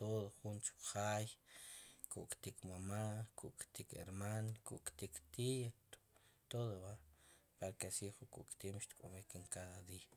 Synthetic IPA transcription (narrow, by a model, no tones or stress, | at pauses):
t̪oðoχunt͡ʃu̥χaːj | kṵʔkʼt̪ikmamakuʔkʼt̪ikḛɾmankṵʔkʼt̪ikt̪ij | t̪oðoβapaɾkesiχukʼṵʔkʼt̪imʃt̪kʼomekeŋkaðad̪iːa